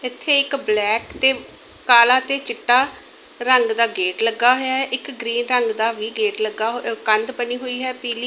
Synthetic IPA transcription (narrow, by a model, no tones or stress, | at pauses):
ɪt̪ʰːeːɪkblɛːkt̪eː | kaːlaːt̪eːt͡ʃɪʈːaː | ɾəŋɡd̪aːɡeːʈləɡːaːɦoːjaːɛʔɪkɡɾiːnɾəŋɡd̪aːʋiːɡeːʈləɡːaːɦkənd̪bəniːɦoːiːɦɛːpiːliː